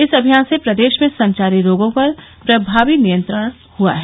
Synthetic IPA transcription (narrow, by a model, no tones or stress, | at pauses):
ɪsɐbʱijaːnsepɾɐd̪eːʃmẽsɐ̃ɲt͡ʃaːɾiɾoːɡõpɐɾ | pɾɐbʱaːʋinijə̃nt̪ɾəɽ̃ | hua̰ɦɛ